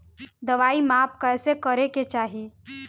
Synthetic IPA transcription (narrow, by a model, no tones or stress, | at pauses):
d̪ɐʋaːimaːpkɛːsekəɾeket͡ʃaːɦie